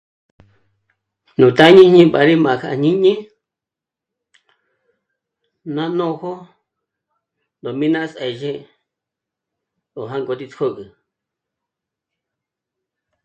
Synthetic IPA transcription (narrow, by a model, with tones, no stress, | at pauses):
nũ˨t̪a˦ɲĩ˦ɲĩ˦ɓa˧˨ɾi˦mã˨ka˧˨ɲĩ˦ɲĩ˦ | nã˦nõ˦˧ho˦ | nd̪o˨mĩ˦nã˦se˨ʒẽ˦ | o˨ɦa˦ŋɡo˧t̪i˧t͡skʰo˦kɨ˨